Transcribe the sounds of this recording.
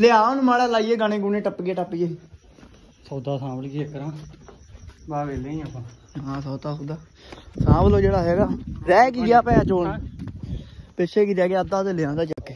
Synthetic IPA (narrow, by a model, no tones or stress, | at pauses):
lɪãːnũːmaːɽɛːlaːiːeːɡanẽːɡuːnẽːʈəpːɡeːʈəpːeː | sɔːt̪aːsãːbəlɡiːekːəɾãː | baːʋeːleːĩəpãːɦãːs̬ɔːt̪aːɦõːd̪aː | sãːbloːd͡ʒeːɽaːɦɛːɡaːɾɛːkiaːpɛːaːt͡ʃoːnː | peʃʰeːkiːɾɛːɡːəd̪aːt̪eːlɪjãːnd̪aːt͡ʃakeː